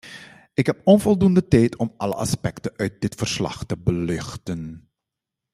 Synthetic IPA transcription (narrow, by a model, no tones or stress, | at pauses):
ɪkɦɛpɔnvɔlˠdundətɛjtʰɔmʔɑlə̰ɑ̰spɛktənʔœɥt̚dɪtfərslɑ̰χtəbəlʏxtən